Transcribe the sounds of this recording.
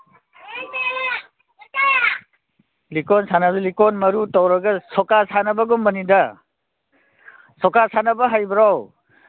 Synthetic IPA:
likɔnsanazulikɔnmɐɾutɔwɾɐɡɐsɔkasʰanɐbɐɡɔmmɐnida | sɔkasʰanɐbɐɦajbɾaw

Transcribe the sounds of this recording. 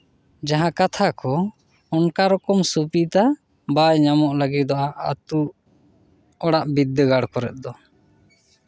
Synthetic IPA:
d͡ʒaɦãkat̪ʰakɔ | ɔnkaɾɔkɔmsupit̪a | bajɲamɔʔləɡit̪̚d̪ɔʔaʔa̰t̪u | ɔɽaʔbid̪ːəɡaɽkɔɾɛ̰t̪̚d̪ɔ

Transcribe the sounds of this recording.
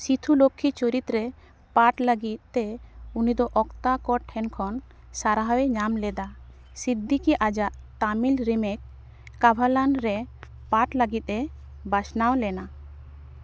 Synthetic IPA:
sit̪ʰulokʰːit͡ʃoɾit̪ɾɛ | paʈlaɡit̪̚t̪eunid̪ɔʔɔkt̪akɔʈʰɛnkʰɔn | saɾaɦaweɲamlɛd̪a | sid̪ikiʔad͡ʒaʔ | t̪amilɾimɛk̚ː | abʱalanɾɛ | paʈlaɡit̪̚ˀɛ | basnawlɛna

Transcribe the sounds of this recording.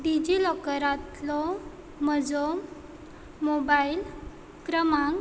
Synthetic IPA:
ɖid͡ʑilɔkəɾat̪lɔ | məd͡zom | mobail | kɾəmaŋɡ

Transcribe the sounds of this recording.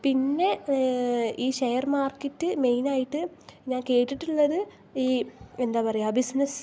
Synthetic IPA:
pinːe̞ | iːɕejɐrmaːrkɐtːɨme̞jnaːjiʈːɨɲaːnke̞ːʈːiʈːuɭːɐðɨ | iːend̪aːpɐrɐjaːbisnɐs

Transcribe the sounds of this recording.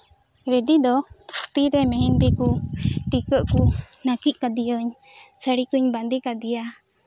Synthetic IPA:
ɾɛɖid̪ɔt̪iɾɛmɛɦint̪ikuʈikəʔkunakiʔ̚ˀkad̪ijəɲsəɽikəɲband̪ikad̪ija

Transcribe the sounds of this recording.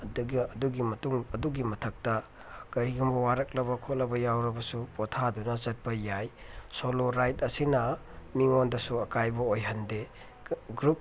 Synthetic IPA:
ɐduɡɐduɡimɐtuŋɐduɡimɐtʰɐk̚tɐ | kɐɾiɡumbɐwaɾɐk̚lɐbɐkʰot̚lɐbɐjawɾɐbɐsupɔtʰadunɐzɐt̚pɐjajsoloɾajt̚ɐsinɐ | miŋondɐsuɐkajbɐojɦɐnde | ɡɾup̚

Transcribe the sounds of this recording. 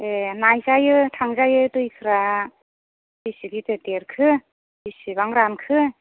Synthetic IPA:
enajzajɯtʰaŋzajɯtɯjkʰɯɾa | bisiɡitɯteɾkʰɯ | bisiβaŋɾamkʰɯ

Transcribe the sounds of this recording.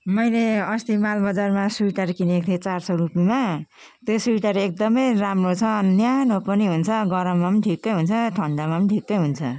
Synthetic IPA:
mʌjleʌst̪imalbʌd͡zarmasuʈaɾkinek̚t̪ʰet͡sarsʌrupima | t̪josujʈaɾeek̚d̪ʌmʌjramrot͡sʰʌnjanopʌniɦunt͡sʰʌɡʌɾʌmːamnʈʰikːʌjɦunt͡sʰʌʈʰʌɳɖamaʌʈʰikːʌjɦunt͡sʰʌ̰

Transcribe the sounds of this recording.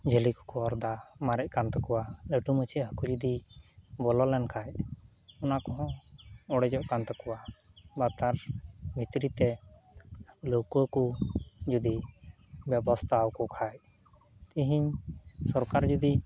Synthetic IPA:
d͡ʒəlikɔ̥kɔɔɾd̪amaɾɛc̚kant̪ɔkɔwaləʈumət͡ʃʰiɦəkud͡ʒud̪ibɔlɔlɛnkʰajʔ | ɔnakɔɦɔ̃ɔɽɛd͡ʒɔʔkant̪ɔkɔwa | bat̪aɾbʱit̪ɾit̪ɛ | lokuəkud͡ʒud̪i | bɛbɔst̪ʰawkɔkʰaj | t̪iɦiɲsɔɾkaɾd͡ʒud̪i

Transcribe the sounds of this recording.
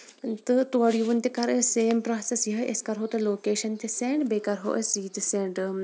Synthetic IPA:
t̪ɨt̪uɐɽijuʋunt̪ikɐɾseːmpɾaːsɐsjiɦɐʔḛskɐɾɦot̪ɨloːkeːʃɐnt̪iseːɳɖbeːkɐɾɦo̰ːʔesiːt̪seːɳɖ

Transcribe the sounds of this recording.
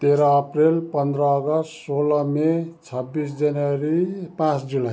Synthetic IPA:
t̪eɾʌːprelpʌnd̪ɾʌːɡʌssolʌmet͡sʰʌbːisd͡zanwʌɾipãt͡sd͡zila

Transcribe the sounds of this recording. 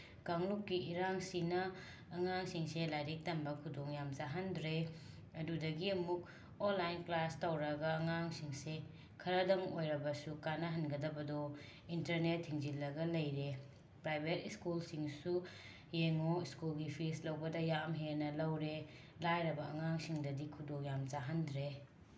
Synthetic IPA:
kaŋlukːiʔiɾaŋsinɐː | ŋaŋsiŋselajɾik̚tɐmbɐkʰudoŋjamzaɦɐndɾe | ɐdudɐɡiɐmuk̚ | onlajnplastɐwɾɐɡɐːŋaŋsiŋse | kʰɐɾɐdɐŋojɾɐbɐsukanɐɦɐnɡɐdɐbɐdo | intɐɾnetʰːiŋzilːɐɡɐlɐjɾe | pɾajbʱetiskulsiŋsu | jeŋoiskulɡipʰislɐwbɐdɐjamɦeɾnɐlɐwɾe | lajɾɐbɐɐŋaŋsiŋdɐdikʰudoŋjamd͡ʒaɦɐndɾe

